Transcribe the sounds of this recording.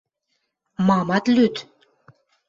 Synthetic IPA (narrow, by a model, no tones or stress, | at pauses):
mɑmɑt̪lyt̪